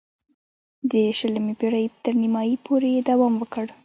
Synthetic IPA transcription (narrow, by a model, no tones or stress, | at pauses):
d̪əʃələmebeɽajt̪əɾnimɑjipʰoɾejed̪awɑmwəkəɽ